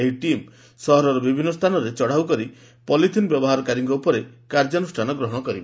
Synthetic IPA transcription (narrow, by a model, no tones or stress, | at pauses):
eiʈim | sɔɦɔɾɔɾɔbibʱinːɔst̪ʰanɔɾet͡ʃɔɽ̤awkɔɾi | pɔlit̪ʰinbjɔbɔɦaɾɔkaɾiŋkɔupɔɾekaɾd͡ʒɔnusʈʰanɔɡɾɔɦɔɽ̃ɔkɔɾibe